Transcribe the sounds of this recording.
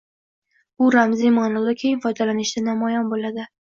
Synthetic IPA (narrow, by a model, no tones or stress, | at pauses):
bʊɾamzimanɒlˠd̪akʲʰejɪnfɒjd̪alanɪʃd̪anamɒjɒnbolad̪ɪ